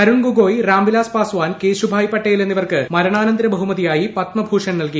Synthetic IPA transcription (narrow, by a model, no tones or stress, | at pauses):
ɐɾuɳɡuɡoːjraːmbilaːspaːsʋaːnkeːɕubʱaːjpːɐʈːɐjilenːiʋɐrkɨmɐɾɐɳaːnɐnd̪ɾɐbɐɦumɐðijaːjipɐt̪mɐbʱuːʂɐnnɐlki